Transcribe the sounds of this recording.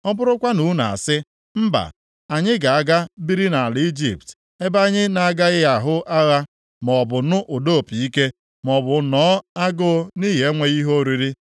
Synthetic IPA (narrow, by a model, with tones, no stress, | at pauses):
ɔ˦bʊ˦ɾʊ˦kʷa˦nu˨˦na̰˨a̰˨sɪ˦ | m̩˦ba̰˨ | a˨ɲɪ˦ɡa˨a˦ɡa˦bi˦ɾi˦na˨a˨lɪ˨i˦d͡ʒḭ˨pt | e˦ba˦ɲɪ˦na˨a˨ɡa˦ɣɪ˦ja˦˨ɦʊ˦ʔa˦ɣa˦ | mɔ˨bʊ˨nʊ˦ʔo˨do˦˨pi˨i˦ke˦ | m˨ɔ˨bʊ˨nɔː˨˦a˦ɡʊ˦ni˦ɦe˨˦ŋʷe˦ɣi˦ɦo˦ɾi˦ɾi˦